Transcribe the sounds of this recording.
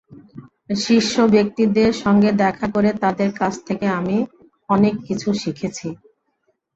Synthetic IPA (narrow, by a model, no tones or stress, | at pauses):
ʃiʃːobek̚t̪id̪eɾʃɔŋɡed̪ɛkʰakoɾet̪ad̪eɾkat͡ɕʰt̪ʰekeami | ɔnekːit͡ɕʰuʃikʰet͡ɕʰi